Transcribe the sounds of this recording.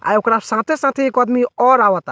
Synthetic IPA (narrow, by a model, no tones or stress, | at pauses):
a̰ːjokɾasãːt̪ʰesãːt̪ʰeeːkoaːd̪miɔːɾaːʋat̪a